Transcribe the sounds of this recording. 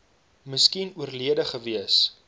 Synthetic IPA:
məskinuərliədəχəviəs

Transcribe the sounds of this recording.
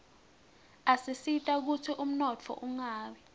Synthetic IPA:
asisitʼak̬utʰiʔum̩nɔt͡fʰɔ̰ʔuŋaːɓɛ

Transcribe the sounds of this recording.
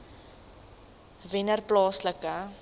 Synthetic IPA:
vɪnərplɑːsləkə

